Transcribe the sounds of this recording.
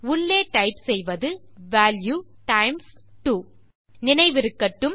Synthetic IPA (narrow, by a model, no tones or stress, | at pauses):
ʊɭːeːʈɐɪpsɛjʋɐðɯʋaːljuːʈɐɪmsʈuː | nɪnɐɪʋɪɾɯkːɐʈːɯm